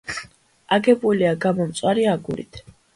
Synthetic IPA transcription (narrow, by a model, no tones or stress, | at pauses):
aɡɛbuliaɡamɔmt̪sʼwaɾiaɡuɾḭt̪ʰ